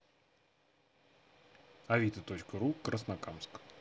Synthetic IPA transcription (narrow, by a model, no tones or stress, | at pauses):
ɐvʲit̪ət̪ot͡ɕkəɾukɾʔəsnakamsk